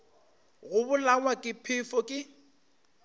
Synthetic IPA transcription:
ɣʊbʊlaŋwakʼɪpʰɪfɔkʼɪ

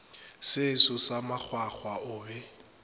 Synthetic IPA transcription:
sɪsʊsamak͡xʰwak͡xʰwaʊːbɛ

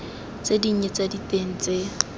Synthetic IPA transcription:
t͡sediɲ̩ɲet͡saditʼeŋ̩t͡sʼe

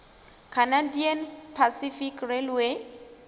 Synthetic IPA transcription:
kʰanadianpʰasifikrelwe

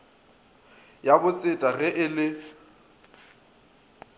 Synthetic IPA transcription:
jabʊt͡sʼɪtʼaɣɛʔɪlɪ

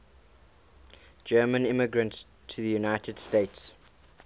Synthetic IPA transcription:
d͡ʒɜːmə̃nɪmɪɡɹə̃nts | tʰuðəjunaɪtʰəd̥steɪts

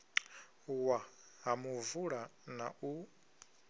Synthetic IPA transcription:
wa | ɦamuvuɺanaʔu

